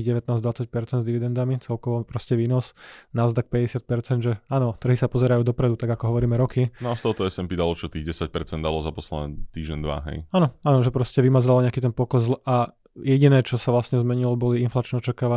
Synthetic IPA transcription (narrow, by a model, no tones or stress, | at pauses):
ɣɟɛʋɛt̪naːzd̪ʋat͡sac̚pɛɾt͡sɛnzd̪iʋid̪ɛnd̪amit͡sɛlkɔʋɔpɾɔscɛʋiːnɔsnazd̪ak̚pɛɟɛsɪat̪̚pɛɾt͡sɛnd̪ʒɛaːnɔt̪r̩ɦisapɔzɛɾajuːd̪ɔpɾɛd̪ut̪aɡakɔɦɔʋɔɾiːmɛɾɔkinɔast̪ɔɦɔt̪ɔɛsɛmpid̪alɔt͡ʃɔt̪iːɣɟɛsac̚pɛɾt͡sɛnd̪a̰lɔzapɔslɛ̰d̪ɛt̪iːʒɟɛnd̪ʋa̰ɦɛ̰jaːnɔaːnɔʒɛpɾɔscɛʋimazalɲɛakit̪ɛnpɔklɛzlʔa | jɛɟinɛːt͡ʃɔsaʋlasɲɛzmɛɲilɔbɔliinflat͡ʃnɛːɔt͡ʃakaːʋa